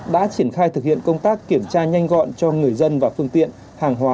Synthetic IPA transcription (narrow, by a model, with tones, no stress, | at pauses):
ɗa̰ː˧˥t͡ɕi˧˩ənxaː˧jt̪ɨ˨˩k̚hḭ˧˨ənkə˧wŋ͡mt̪aː˦˥kːi˧˩əmt͡ɕaː˧ɲa˧jŋ̟ɣɔ̰˧˨nt͡ɕɔ˧ŋɨ˨˩əjzə˧nvaː˨˩fɨ˧əŋt̪ḭ˧˨ən | haː˨˩ŋɦwaː˨˦